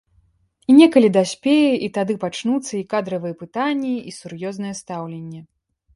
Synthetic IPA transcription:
inʲɛkɐlʲid̪asʲpʲejɛʔit̪ad̪ɨpat͡ʂnut̪sːɐikad̪ɾɐvɨjɛpɨt̪anʲːɛisurjɔznɐjɛst̪awlʲenʲːɛ

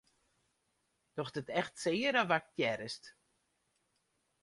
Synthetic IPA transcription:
d̥ɔxdətɛxtsɪːəɾaʋak̚tjɛɾəst

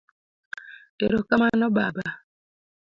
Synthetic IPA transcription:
eɾokamanɔba̰ba

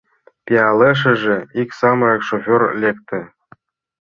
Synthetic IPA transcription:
pʲiɑlʲˠɤ̆ʂ̬ɘ̆ʐɘ̆ikʲsɑmɤ̆ekʂofʲorlʲekt̪ʲɘ̆

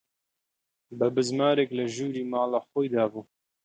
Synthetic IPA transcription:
bɨbɨzmaːɾekləʒuːɾiːmɑːlaːxojd̪aːbuː

